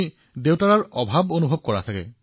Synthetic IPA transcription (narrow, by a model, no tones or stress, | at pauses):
i | dewtaɹaɹɔbʱabonubʱob̚kɔɹa̰sʰakɛ̰